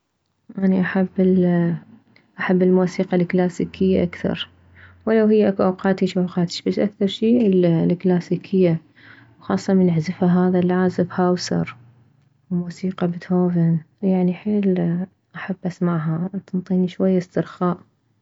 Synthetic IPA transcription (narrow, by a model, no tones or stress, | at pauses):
ʔaniʔaħabːɪ | ʔaħabːɪlmuːsiːqɑlklaːsiːkʰɪjːaʔakθɑ̰ɾˤ | wɪlawhɪjːaʔakuʔawqɑːt̪iʃʔawqɑːt̪ɪ̥ʃbasːʔakθɑɾˤʃiːllklaːsiːkʰɪjːa | wxɑ̰ːsˤːɑmɪnɪʕzɪfhaɦaːðalʕaːzɪbhawsɑ̰ɾˤ | wmuːsiːqɑbɪt̪hoːvɪn | jaʕniħeːl | ʔaħabːʔasmaʕɦat̪nt̪ˤiːniʃwajːast̪ɨɾxaːʔ